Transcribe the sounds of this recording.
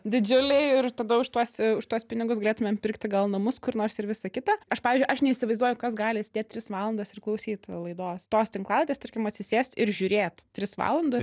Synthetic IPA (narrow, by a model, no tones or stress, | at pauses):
d̪ʲɪd͡ʒʲʊlʲɛɪɪrt̪ɐd̪ɐʊʃt̪uɔsʊʃt̪uɔspʲɪnʲɪɡʊs̬ɡɐlʲeːt̪ʊmʲɛmpʲɪrkt̪ʲɪɡɐlˠnɐmʊskʊɾnoːrsɪɾʋʲɪsɐkʲɪt̪ɐɐʃpɑːʋʲiːzd͡ʒʊɪʔɐʃnʲɛɪisʲɪʋɐɪzd̪uɔjʊkɐsɡɑːlʲɪsʲd̪ʲeːt̚ʲɾʲɪsʋɑːlˠɐnd̪ɐsɪrklˠɐʊsʲiːt̪lˠɐɪd̪oːst̪oːst̪ʲɪŋklˠɑːlʲˠɪt̪ʲeːst̪ɐrʲkʲɪmɐt̪ʲsʲɪsʲeːsʲt̪ɪɾʒʲʊɾʲeːt̪tʲɾʲɪsʋɑ̰ːlˠɐnd̪ɐs